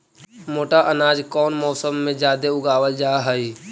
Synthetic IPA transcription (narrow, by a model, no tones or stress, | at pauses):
moːʈaʔənaːd͡ʒkɔːnmɔːsəmːẽd͡ʒjaːd̪eʊɡaːwəld͡ʒaːɦəiː